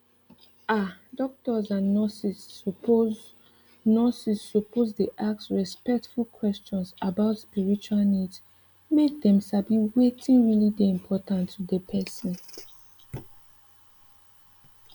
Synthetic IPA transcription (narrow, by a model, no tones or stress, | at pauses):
adɔk̚tɔzãnːɔsis | nɔsisːɔpozdeʔaksɹɛspɛk̚tfulkʰwɛst͡ʃɔ̃nsabaʊtspiɹit͡ʃualnids | mek̚dɛ̃msabiwetʰĩnɹilideĩmpʰɔtãntʰːudəpʰɛsə̃n